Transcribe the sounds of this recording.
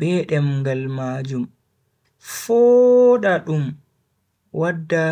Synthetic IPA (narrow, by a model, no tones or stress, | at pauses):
bɛɗɛmŋɡalmad͡ʒum | fɔɗaɗum | wadːa